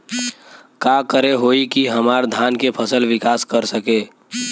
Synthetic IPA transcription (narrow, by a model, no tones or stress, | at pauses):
kakəɾeɦoikiɦəmaɾd̪ʱankepʰəsəlʋɪkaskəɾsəke